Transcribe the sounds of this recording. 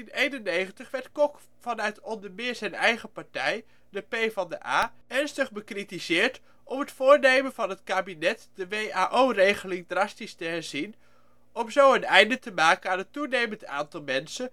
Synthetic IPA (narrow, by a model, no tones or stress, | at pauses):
ɪnejnənejχəntəχʋɛɹtkɔk | fɑnœɥtɔndəɹmɪːɹzɛjnɛjχəpɑɹtɛj | dəpejvɑndəʔaːɛɹnstəχbəkritizɪːɹt | ʔɔmɦətfʊːɹnejmənvɑnɦətkaːbinɛtdəʋejaːʔowrejχəlɪŋdrɑstistəɦɛɹz̥in | ʔɔmzowənɛjndətəmaːkənaːnətunejmənta̰ːntɑlˠmɛnsən